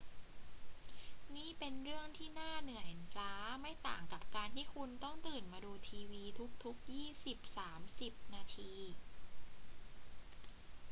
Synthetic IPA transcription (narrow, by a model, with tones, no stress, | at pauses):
niː˥˩pe˧nɾɯ˥˩əŋt̪ʰiː˥˩naː˥˩nɯ˨˩əjɾaː˦˥ma˥˩jt̪a̰ː˨˩ŋka˨˩p̚kaː˧nt̪ʰiː˥˩kʰu˧nt̪ɔ˥˩ŋt̪ɯː˨˩nmaː˧duː˧t̪ʰiː˧wiː˧t̪ʰu˦˥k̚t̪ʰu˦˥k̚jiː˥˩si˨˩p̚saː˩˦msi˨˩p̚naː˧t̪ʰiː˧